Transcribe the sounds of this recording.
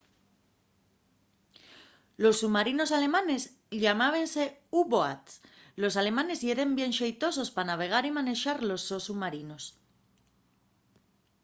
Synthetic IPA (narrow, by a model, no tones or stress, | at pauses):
lo̞sːuβmaɾino̞sale̞mãne̞z | ʎamaβ̞ense̞uβoa̰t̪ | lo̞sale̞mãne̞zie̞ɾembje̞nʃejt̪o̞so̞spanaβ̞e̞ɣ̞aɾimane̞ʃaɾlo̞sːosuβmaɾino̞s